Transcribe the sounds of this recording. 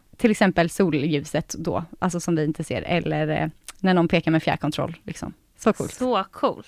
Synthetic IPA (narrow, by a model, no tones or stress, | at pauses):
t̪ʰɪlɛksɛmpəlsuːljʉ̟ːsət̪d̪ɔ̰ʔals̬ɔsɔmvɪɪnt̪əsḛːɾɛ̰lːə̰ɾnæɳɔnpʰeːkaɾmɛːfjæ̰ːɾkʰɔnt̪ʰɾɔ̰lːlɪksɔ̰m | sɔkʰṵːlt̪ɔkʰuːlt̪